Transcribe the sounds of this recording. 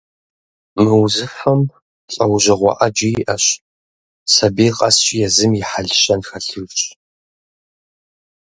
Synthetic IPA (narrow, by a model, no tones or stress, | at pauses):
mɨwzɨfɐm | ɬʼɐwʑɐʁʷɔ̰ʔɐd͡ʒɪjʔɐɕ | sɐbiːqʼɐst͡ʃʼjɛzɨmjɪħaɮʃɐnxɐɬɨrt͡ʃʼ